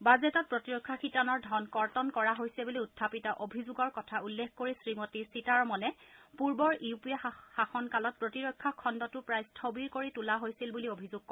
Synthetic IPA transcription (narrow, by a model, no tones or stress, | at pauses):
bazɛtɔt̚pɹotiɹokʰːakʰitanɔɹdʱɔnkɔɹtɔnkɔɹaɦojsɛbuliutʰːapitaʔobʱizuɡɔɹkɔtʰaulːekkoɹisɹimotisitaɹmɔnɛpuɹbɔɹiupijaxaxɔnkalɔt̚pɹotiɹɔkʰːakʰɔndɔtʊpɹajstʰobiɹkoɹitulaɦojsilbuliobʱizʊɡ̚kɔ